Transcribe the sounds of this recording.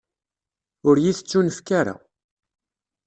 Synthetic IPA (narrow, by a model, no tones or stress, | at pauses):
ʊɾjiθət͡sːunəfkaɾa̰